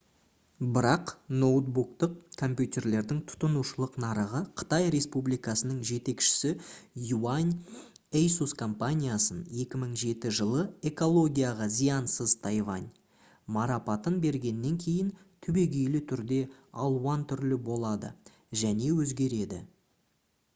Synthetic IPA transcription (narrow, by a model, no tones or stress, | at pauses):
bɪɾɑqno̞t̪̚buk̚t̪əqkʰo̞mpʲjut̪ʲe̞rle̞ɾd̪ɪŋt̪ʰʊ̥t̪ənuʃəlˠəqnɑɾəʁəqʰə̥t̪ɑjɾe̞spublijkɑsənəɴʒe̞t̪e̞kʃɪ̥sɪjuanʲ | ejsuskʰo̞mpanʲijasəne̞kʲɪməɴʒe̞t̪ɪʒəlˠəe̞ko̞lˠo̞ɡʲijɑʁɑzijɑnsəzt̪ʰɑjvɑ̰nʲ | mɑɾɑpɑt̪ənbe̞ɾɡʲe̞nːe̞ŋkʲʰe̞jɪnt̪ʰʏbe̞ɡʲejlɪt̪ʰʏɾd̪e̞ɑlˠuwɑnt̪ʰʏɾlɪbo̞lˠɑd̪ə̰ | ʒæne̞wɵzɡʲe̞ɾe̞d̪ɪ̰